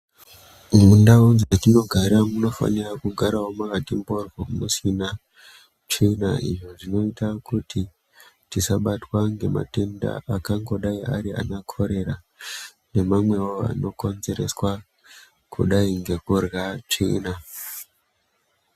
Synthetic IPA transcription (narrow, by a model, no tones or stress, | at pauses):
mundaunzatino̞ɡʱaɾamuno̞fa̰nirakuɡʱaɾawomakatimborwomusina | t͡ʃina̰ḭʐo̞ʐino̞itakutʰi | tisaɓatwaŋɡe̞ma̰te̞nda̰ʔakaŋɡo̞ɗaia̰ɾia̰nakʰo̞ɾe̞ra | ne̞mamwe̞waa̰no̞ko̞nze̞ɾe̞swa | kʰṵɗaiŋɡe̞kurɣat͡ʃina